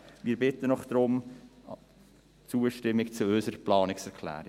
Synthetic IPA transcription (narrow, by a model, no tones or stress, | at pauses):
miːɾbɪt̪ənɔχd̥̪ɾʊm | t͡suəʃtɪmːɪkt͡suøsəɾəplɑːnɪksɛɾkʰlæ̰ːɾɪ